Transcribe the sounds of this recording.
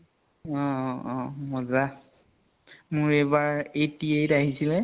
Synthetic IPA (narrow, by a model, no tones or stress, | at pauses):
ɔ̃ɔ̃mɔza | mʊɹejbaɹejtiejtaɦisilɛ